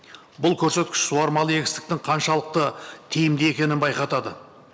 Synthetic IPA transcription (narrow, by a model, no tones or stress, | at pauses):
bʊlˠkʲʰɵɾse̞t̪kʲɪ̥ʃsuɑɾmɑlˠəe̞ɡʲɪst̪ɪ̥k̚t̪ɪŋqʰɑnʃɑlˠəq̚t̪ət̪ʰejɪmd̪ee̞kʲe̞nɪnbɑjqɑt̪ɑd̪ə